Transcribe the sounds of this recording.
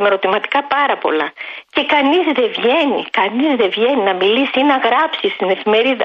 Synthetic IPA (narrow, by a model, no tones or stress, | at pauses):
me̞ɾo̞t̪imɐt̪i̥kɐpɐɾɐpo̞̰lɐce̞kɐnizðe̞vʝe̞nḭkɐnizðe̞vʝe̞ninɐmilisiinɐɣɾɐpsist̪ine̞fime̞ɾiðɐ